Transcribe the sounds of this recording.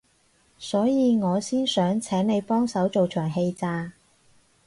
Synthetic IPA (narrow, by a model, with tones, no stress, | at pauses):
sɔː˨˥jiː˨˧ŋɔː˨˧siː˥nsœː˨˥ŋt͡sʰɛː˨˥ŋne˨˧jpɔː˥ŋsɐ˨˥wt͡so˨wt͡ʃʰœː˨˩ŋhe˧jt͡saː˧